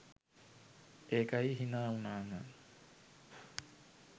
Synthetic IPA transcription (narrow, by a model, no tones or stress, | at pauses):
eːkaiɦinaunaːŋa